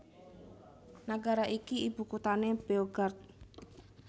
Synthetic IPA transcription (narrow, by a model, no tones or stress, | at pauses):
naɡaɾaʔikiib̥ṳkut̪aneb̥eoɡart̪̚